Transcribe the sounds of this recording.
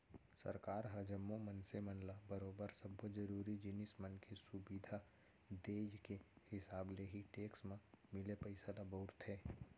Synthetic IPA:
sə̰ɾkaːɾɦɐd͡ʒəmːomənsemənlabəɾoːbəɾsəbːod͡ʒəɾuːɾid͡ʒɪnɪsmənkesʊbid̪ʱa | d̪eːd͡ʒkehɪsaːbleɦiʈeːksmãmɪlepəɪsalaboːɾt̪ɦɛː

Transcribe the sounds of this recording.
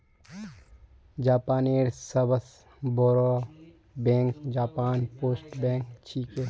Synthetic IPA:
d͡ʒaːpaːneːɾsɐbəs | boːɾo | bẽːŋkd͡ʒaːpaːnpoːsʈbẽːŋkt͡ʃʰiːke

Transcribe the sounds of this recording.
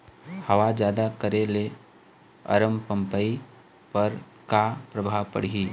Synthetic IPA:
hɐʋad͡ʒjaːd̪akəɾele | ɐ̰ɾəmpə̃mpəi | pɐɾ | kapɾəbʱapə̰ɽ̤iiː

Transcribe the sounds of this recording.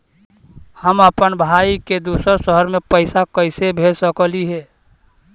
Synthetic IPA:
həməpənbʱaːiked̪uːsəɾsəɦəɾmẽpəɪsakəɪsebʱelsəkəliɦɛː

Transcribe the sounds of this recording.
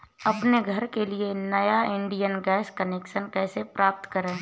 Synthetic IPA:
ɐpneɡʱəɾkelienɐjaɪ̃ɳɖijənɡɛːskəneːkʃənkɛːsepɾaːp̚t̪kəɾẽː

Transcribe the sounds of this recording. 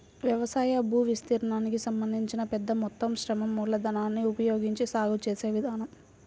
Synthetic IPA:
ʋjɐʋɐsaːjɐbʱuːʋist̪iːɾɐɳaːnikisɐmbɐnd̪ʱiɲt͡ʃinɐpɛd̪ːɐmɔt̪ːɐmʃɾɐmɐmːuːlɐd̪ʱɐnaːnːiupɐjoːɡiɲt͡ʃisaːɡut͡ʃeːseːʋid̪ʱaːnɐm

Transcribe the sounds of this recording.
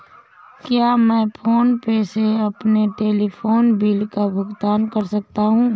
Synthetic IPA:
kjaːmɛ̃ːpʰoːnpeːseɐpneʈeːlipʰoːnbiːlkabʱʊɡt̪aːnkəɾsɐk̚t̪aɦũː

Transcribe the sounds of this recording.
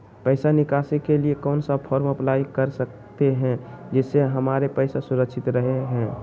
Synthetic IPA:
pəɪsanɪkaːsekeliekɔːnsapʰɔːɾməplaːikəɾsək̚ | t̪eɦɛ̃d͡ʒɛseɦəmaːɾepəɪsasʊɾəkʃʰɪt̪ɾəɦeɦɛ̃ː

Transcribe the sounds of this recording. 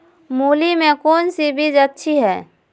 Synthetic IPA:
muːlimẽkoːnsibʱid͡ʒətːʃʰiɦɛː

